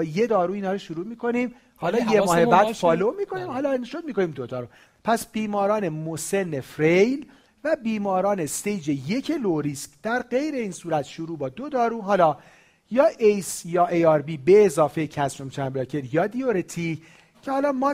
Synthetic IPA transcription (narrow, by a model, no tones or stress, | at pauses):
je̞d̪ɒːɾuːiːnhɒːɾoʃuɾuːmiːkʰo̞nim | hɒːlɒːjemɒːhebæːd̪fɒːlomiːkʰo̞niːmhɒːlɒinʃod̪̚miːko̞niːmd̪od̪ɒːɾuː | pʰæsb̥iːmɒːɾɒːne̞mose̞nːefɾejl | væbiːmɒːɾɒːne̞st̪ejd͡ʒeje̞cʰeloɾiːscd̪̥æɾɢe̞jɾe̞iːnsuːɾæt̪ʃoɾuːbɒːd̪od̪ɒːɾuːɦɒːlɒː | jɒːʔejsjɒːʔejɒɾbiːbe̞ːzɒːfecʰæsɾomt͡ʃʰæmbɾɒcʰeɾjɒːd̪ioɾet̪ʰi | cʰehɒːlɒːmɒː